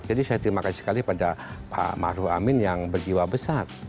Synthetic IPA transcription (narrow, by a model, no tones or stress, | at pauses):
d͡ʒadisajat̪əɾimakasi̥ssə̥kalipadapʰa̰ma̰ɾua̰mɪnjaŋbərɡiwabəsar